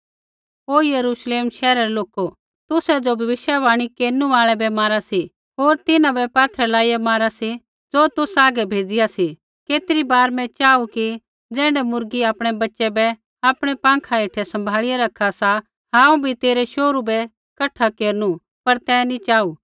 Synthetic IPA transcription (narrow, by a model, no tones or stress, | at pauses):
oːjɐɾuːʃleːmʃɛːɾaɾɛloːko | t̪ʊsɛd͡zobʱɐʋɪʃjaʋaːɽ̃ikeːɾnuʋaːɭɛbɛmaːɾasi | ɦoːɾt̪ɪnãbɛpaːt̪ʰɾɛlaːijamaːɾasi | d͡zoːt̪ʊsaːɡɛbʱeːd͡zɪjasi | keːt̪ɪɾibaːɾmɛ̃t͡ʃaːuki | d͡zɛ̃ːɳɖɛmʊɾɡiaːpɽ̃ɛbɐtːʃɛbɛ | aːpɽ̃ɛpãːŋkʰaɪʈʰɛsɐ̃mbʱaːɭɪjaɾɐkʰasa | ɦãːũbʱit̪eːɾɛʃoːɾubɛ | kɐʈʰakeːɾñu | pɐɾt̪ɛnit͡ʃaːu